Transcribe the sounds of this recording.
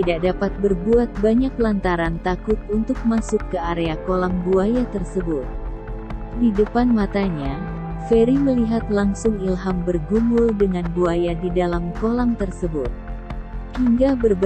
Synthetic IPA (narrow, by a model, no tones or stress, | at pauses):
t̪idak̚dapat̪̚bərbuat̪̚baɲak̚lant̪aɾant̪akʊt̪̚unt̪ʊk̚masʊkːəaɾeakolaŋbuajat̪ərsəbʊt̪̚ | didəpanmat̪aɲa | feɾiməliɦat̪laŋsʊŋilɦambərɡumʊldəŋanbuajadidalamkolaŋt̪ərsəbʊt̪̚hiŋɡabərb